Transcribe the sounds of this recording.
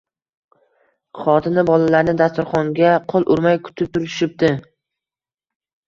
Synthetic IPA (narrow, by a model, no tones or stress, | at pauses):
χɒt̪ʰɪnɪbɒlalaɾnɪd̪ast̪ʊɾχɒŋɡʲaqʰolˠʔʊɾmajkʰʊ̥t̪ʰɪp̚t̪ʰʊɾɪʃɪp̚d̪ɪ